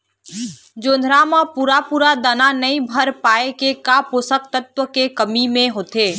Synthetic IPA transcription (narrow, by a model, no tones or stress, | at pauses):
d͡ʒoːnd̪ʱɾamãpuːɾapuːɾad̪ananəĩbʱəɾpaːekekaposək̚t̪ət̪wəkekəmimẽɦoːt̪eː